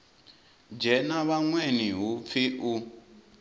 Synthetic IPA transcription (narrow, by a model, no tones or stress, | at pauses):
d͡ʒɛnaβaŋwɛniɦup̪fiʔu